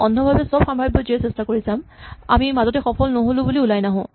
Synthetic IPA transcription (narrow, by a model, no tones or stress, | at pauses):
ɔndʱɔbʱabɛsɔbxamʱaɹbɔziɛsɛstakoɹisama̰mimazɔtɛxɔpʰɔlnoɦolʊ̃buliulajnaɦɔ̃